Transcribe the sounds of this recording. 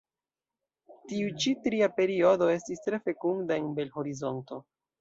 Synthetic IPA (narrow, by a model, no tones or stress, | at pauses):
tiut͡ʃitɾiape̞ɾio̞do̞e̞stistɾe̞fe̞kuŋdae̞nbe̞lho̞ɾizo̞nto̞